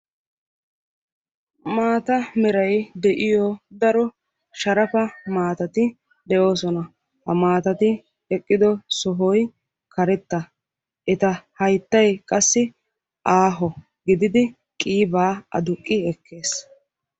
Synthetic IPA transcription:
maːt̪ɐmɛɾɐjd̪ɛʔɪjɔd̪ɐɾɔ | ʃɐɾɐfɐmaːt̪ɐt̪ɪ | d̪ɛʔo̞ːsɔnɐ | hɐmaːt̪ɐt̪ɪ | ɛkʼːɪd̪ɔsɔɦɔj | kɐɾɛt̪ːɐ | ʔɛt̪ɐhɐjt̪ːɐjkʼɐsːɪ | ʔaːɦɔ | ɡɪd̪ɪd̪ɪ | kʼiːbaːɐ̰d̪ʊkʼːɪɛkʰːe̞ːs

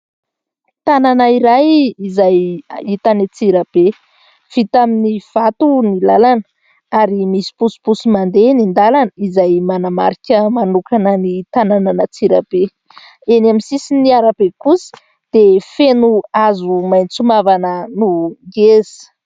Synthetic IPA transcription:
t̪ananaiɾajizajit̪anit͡siɾəb̥e | fit̪aminiv̥at̪unilalan | aɾimisi̥pusi̥pusimand̪enind̪alanəizajmanama̰ɾikʲəmanukanənit̪anananət͡siɾəb̥e | enamisisiniaɾab̥ekusi̥ | d̪̥efenuazumajnt͡sumavanənuɡez̥i̥

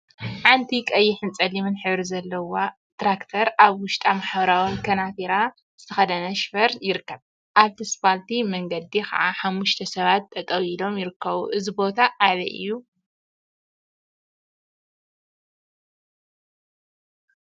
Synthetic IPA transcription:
ʕant̪ʰikʼɐjːɪħɨnt͡sʼɐlimɨnħɨβɾizɐlːɐwa | t̪ɾakt̪ʰɐɾʔaβwʊʃt̪ʼamaħβɐɾawinkʰɐnat̪iɾa | zɨt̪ʰɐxɐd̪ɐnɐʃfɐɾjɪɾɨkːɐβ | ʔaβt̪ʰispalt̪ʰimɐŋɡɐd̪ikʰa̰ʕaħamːuʃt̪ʰɐsɐβat̪ːɐt̪ʼɐwilo̞mjɪɾɨkʰːɐβuʔɨzibo̞t̪ʰaʔːlɐ̰ʔɨ̰jːu

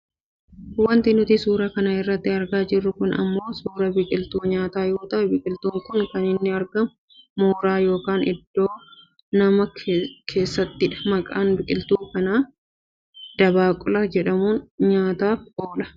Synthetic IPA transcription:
wɐnt̪ɪnʊt̪ɪsuːɾɐkɐnɐɪrːɐt̪ːɪɐɾɡaːd͡ʒɪrːʊkʊnɐ̰mːo̞ːsuːɾɐbɪkʼɪlt̪uːɲaːt̪aːjo̞ːt̪ɐʔɛbɪkʼɪlt̪uːŋkʊŋkɐnɪnːɪɐɾɡɐmː | oːɾaːjo̞ːkaːnɪd̪ːo̞ː | nɐmɐkʰe̞ːsːɐt̪ːɪᶑɐ̥mɐkʼaːnbɪkʼɪlt̪uːkɐnaː | d̪̥ɐbaːkʼʊlɐd͡ʒɛᶑɐmuːnɲaːt̪aːfʔoːlɐ̥

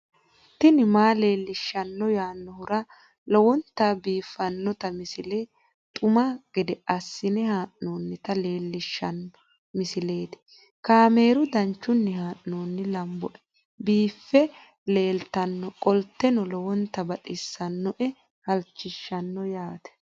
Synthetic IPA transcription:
t̪ːɪnɪmaːle̞ːlːɪʃːɐnːɔjaːnːɔhʊɾɐ | lɔwɔnt̪ːabiːfːɐnːɔt̪ɐmɪsɪle | t̪ʼʊmɐɡ̥ɛd̪ɛʔɐsːɪnɛhaːʔnoːnːɪt̪ɐle̞ːlːɪʃːɐnɔ | mɪsɪle̞ːt̪ɪ̥ | kaːme̞ːɾʊd̪ɐnt͡ʃːʊnːɪhaːʔnoːnːɪlɐmbɔʔɛ̥ | biːfːɛ | le̞ːlt̪ɐnːɔkʼɔlt̪ːɛnɔlɔwɔnt̪ːɐbɐt̪ʼɪsːɐnːɔʔɛ | hɐlt͡ʃːɪʃːɐnːɔjaːt̪ɛ̥

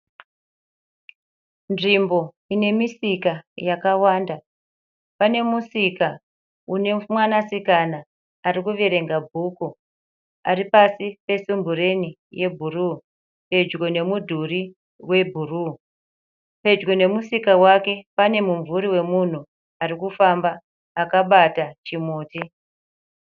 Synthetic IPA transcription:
nʐimbo̞ | ine̞misikajakawaːnda | pane̞musika | une̞mwanasikanaː | ɾikuʋe̞ɾe̞ŋɡabʱuku | aɾipasipe̞sumbuɾe̞ni | je̞bʱuruː | pe̞d͡ʒɡo̞ne̞mudʱuri | we̞bʱuruː | pe̞d͡ʒɡo̞ne̞musikawake̞pane̞muɱvuɾiwe̞mun̤u | aɾikufambaː | kaɓatat͡ʃimoːti

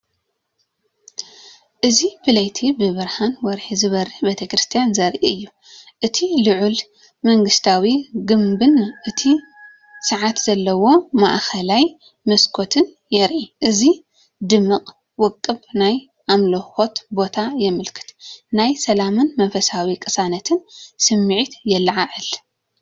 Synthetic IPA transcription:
ʔɨzibɨlɐjt̪ʰibɨβɨɾhanwɔɾħizɨβɐɾɨħbet̪ʰɐkɾɨst̪ʰijanzɐɾʔiɨjːu | ʔɨt̪ʰilɨʕul | mɐŋɡɨst̪ʰawiɡɨmbɨnʔɨt̪ʰi | sɨʕat̪z̥ɐlːɐwo̞ma̰ʔxʰɐlaj | mɐskʰo̞t̪ʰɨn | jɛɾʔiʔɨzi | d̪ɨmːɨqʼ | wɔkʼːɨbnaj | ʔamloxo̞t̪bo̞t̪ʰajɛmɨlkʰɨ̥t̪najsɐlamɨnmɐnfɐsawikʼɨsanɐt̪ʰɨnsɨmːɨʕit̪jɛlʕaʕɨl

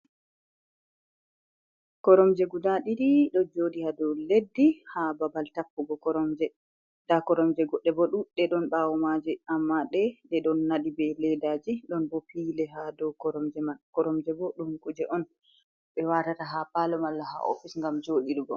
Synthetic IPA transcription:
kɔɾɔmd͡ʒɛɡudaɗiɾiɗɔd͡ʒoɗihadɔledːihababaltapːuɡɔkɔɾɔmd͡ʒɛ | d̥akɔɾɔmd͡ʒɛɡɔɗːɛbɔɗumɗɛɗɔnɓawɔmad͡ʒɛamːaɗɛɗɛɗɔnːaɗibɛlɛdaːd͡ʒiɗɔnbɔpiːlɛɦadɔkɔɾɔmd͡ʒɛmakɔɾɔmd͡ʒɛbɔɗumkud͡ʒɛʔɔn | ɓɛwatataɦapalɔmalːaha̰ʔo̰fisŋɡamd͡ʒoːɗiɾuɡɔ̰

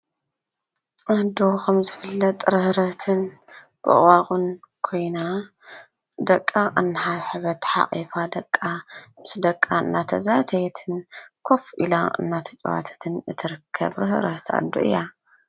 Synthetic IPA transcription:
ʔad̪oxʰɐmzɨfɨlːɐt̪ʼɾɨhɾɐt̪ʰɨn | b̥ɨ̰waχʼunkʰo̞jna | d̪ɐkʼːaʔanːɨħaβħɨβɐt̪ħa̰qʼifad̪ɐkʼːamɨsd̪ɐkʼːaɨnːat̪ʰɐzat̪ʰɐjt̪ʰɨnkʰo̞fʔilaɨ̰nːat̪ʰɐt͡ʃʼwa̰t̪ʰɐ̥t̪ʰɨnɨt̪ʰɨɾɨkʰːɐ̰βɾɨhɨɾɐht̪ʰa̰d̪ːoʔɨ̰jːa

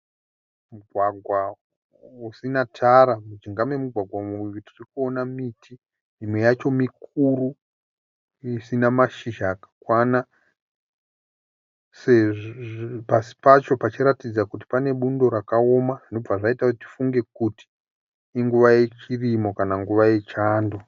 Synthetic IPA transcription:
muɡʱwaɡʱwa | usinatʰaɾamud͡ʒiŋɡamwe̞muɡʱwaɡʱwamujutirikuo̞namitʰi | mimwe̞jat͡ʃo̞mikuru | isinamaʃiʒaːkḁkwana | se | pasi̥pat͡ʃo̞pat͡ʃiɾatid͡zakut̬i̥pane̞ɓundo̞ɾakao̞maʐinob͡vaʐaitati̥fuŋɡe̞kuti̥ː | ŋɡuʋae̞t͡ʃirimo̞kanaŋɡuʋaje̞t͡ʃaːndo

